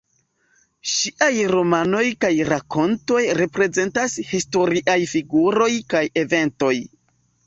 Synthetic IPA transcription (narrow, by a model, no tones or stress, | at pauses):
ʃiʔajɾo̞mano̞jkajɾako̞nto̞jɾe̞pɾe̞ze̞ntashisto̞ɾiʔajfiɡuɾo̞jkaje̞ve̞nto̞j